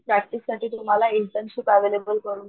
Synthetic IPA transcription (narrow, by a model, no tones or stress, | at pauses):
pɾɛk̚ʈissaʈiːt̪um̤alainʈənsipɛʋelebəlkəɾuːn